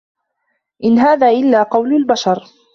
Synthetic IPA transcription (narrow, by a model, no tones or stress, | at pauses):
ʔɪnɦaːðaːʔɪlːaːqɑwlʊlbaʃɑɾˤ